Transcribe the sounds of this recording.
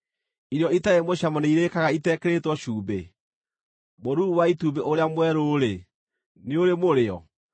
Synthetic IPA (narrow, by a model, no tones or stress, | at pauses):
iɾɔitaemoɕamɔneiɾekaɣaitɛkeɾetwɔɕuːbe | moɾuɾuwaitubeʔoɾeamwɛɾoːɾe | neoɾemoɾeɔ̰